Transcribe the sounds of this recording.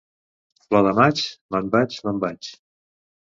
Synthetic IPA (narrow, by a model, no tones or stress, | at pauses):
plɔðəmat͡ʃləmbat͡ʃləmbat͡ʃ